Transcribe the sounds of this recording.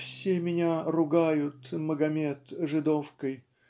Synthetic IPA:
fsʲemʲɪnʲarʊɡajʊt̪məɡɐmʲet̪ʐɨd̪ofkəj

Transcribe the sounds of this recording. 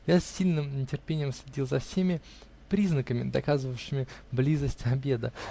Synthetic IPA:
jasʲːilʲnɨmnʲɪtʲɪrpʲenʲɪjəmsʲlʲɪdʲilˠzɐfsʲemʲɪ | pɾʲiznəkəmʲɪ̰d̪ɐ̰kazɨvəjʊɕɪmʲɪblʲizəsʲtʲɐbʲe̞d̪ə

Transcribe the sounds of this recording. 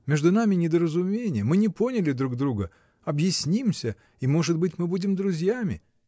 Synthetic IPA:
mʲeʐd̪ʊnamʲɪnʲɪd̪əɾəzʊmʲenʲɪjəmɨnʲɪpo̞nʲɪlʲɪd̪ɾuɡd̪ɾuɡə | ɐbjɪsʲnʲimsʲə | imo̞ʐɨd̪̚bɨtʲmɨbudʲɪmd̪ɾʊzʲjamʲɪ̰

